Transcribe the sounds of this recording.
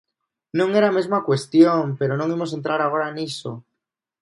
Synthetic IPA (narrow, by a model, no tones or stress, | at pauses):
nõŋeɾamezmakwe̞st̪jo̞mpe̞ɾonõŋimo̞s̬e̞nt̪ɾaɾaɣ̞o̞ɾaeniso̰